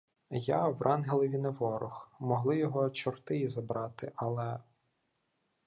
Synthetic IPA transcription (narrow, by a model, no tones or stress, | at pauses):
jawrʔɑnɦelˠɔʋʲineʋɔɾʊxmɔɦlˠɪjɔɦɔt͡ʃɔrt̪ɪjizɐbɾɑt̪ɪʔɐlˠɛ